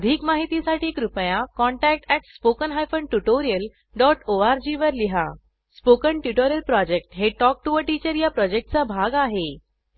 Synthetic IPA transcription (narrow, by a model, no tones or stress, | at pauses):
əd̪ʱiːkmaɦit̪isaʈʰiːkɾupəjakɔɳʈæk̚ʈɛʈspokənɦajfəɳʈuʈoɾijəl | ɖɔʈoaɾd͡ʑiʋəɾliɦa̰ | spokəɳʈjuʈoɾijəlpɾɔd͡ʑek̚ʈɦeʈɔk̚ʈuʋəʈit͡ɕəɾjapɾɔd͡ʑek̚ʈ̚t͡sabʱaɡaɦe